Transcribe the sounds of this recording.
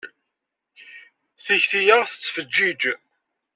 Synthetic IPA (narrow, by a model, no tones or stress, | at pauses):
θiçθijəʁθə̥t͡sːfəd͡ʒːid͡ʒ